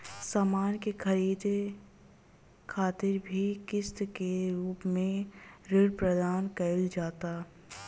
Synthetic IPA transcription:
saːmaːnkexʰɐɾiːd̪e | kʰaːt̪ɪɾbʱikɪst̪keɾuːpmẽɾɪɽpɾɐd̪aːnkɐɪld͡ʒaːt̪aː

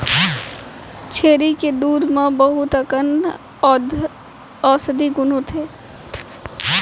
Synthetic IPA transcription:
t͡ʃʰeːɾiked̪uːɾmãbəɦʊt̪əkən | ɔːsəd̪iɡʊnõt̪ʰeː

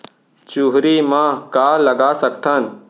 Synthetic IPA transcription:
t͡ʃuːɦɾiːmãːkaːləɡaːsəkt̪ʰən

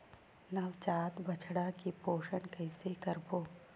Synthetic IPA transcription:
nɐʋt͡ʃaːt̪bət͡ʃʰɽakipoːʃənkɐɪsekəɾboː

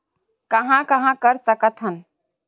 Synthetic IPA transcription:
kəɦãkəɦãkəɾsəkət̪ɦən

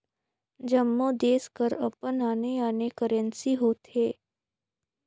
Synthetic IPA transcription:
d͡ʒəmːõːd̪eːskəɾəpənaːneaːnekəɾə̃nsiɦoːt̪ɦeː

